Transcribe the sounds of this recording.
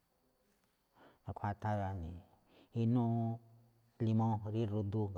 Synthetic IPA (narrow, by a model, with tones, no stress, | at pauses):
a˨kʷʰa˧ta˧ɾa˨˧ni˨ | i˧nũ˦ | li˧mã˦ɦɾi˦˨ɾo˧d̪u˧ɡ